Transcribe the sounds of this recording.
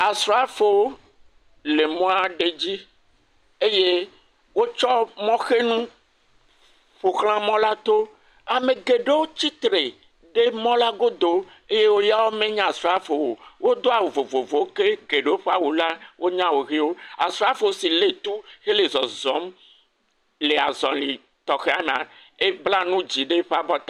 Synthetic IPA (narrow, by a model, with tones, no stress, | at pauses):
a˨sɾa˦fo˨wo˦ | le˨mɔ̃˦a˨ɖe˦d͡ʑi˦ | e˦je˦ | wo˦t͡ʃɔ˦mɔ̃˦xe˦nũ˦ | ɸo˨xl̃ã˦mɔ̃˦la˦t̪o˦ | a˨mẽ˨ɡe˨ɖe˦wo˦t͡ɕi˦t̪ɾe˨ | ɖe˦mɔ̃˦la˦ɡo˦d̪o˨ | e˦je˦wo˦ja˦wo˦mẽ˦ɲã˦a˨sɾa˦fe˨wo˨wo˦d̪o˦a˨wo˨vo˨vo˨vo˨˦ke˦ɡe˨ɖe˦wo˦ɸe˦a˦wu˨la˦wʔo˦ɲã˦wo˨ɣi˦wo˦a̰˨sɾa˦fe˨wo˨si˨le˨t̪u˦xe˦le˨zɔ˨zɔ˦m | le˨a˨zɔ˨li˨ | t̪ɔ˨xe˦a˨me˨ã˨e˦bla˦nũ˦d͡ʑi˨ɖe˦ɸa˨bɔ˦t̪a˦